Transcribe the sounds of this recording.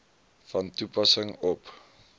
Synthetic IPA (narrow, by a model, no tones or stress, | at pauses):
fɐntupɐsəŋɔp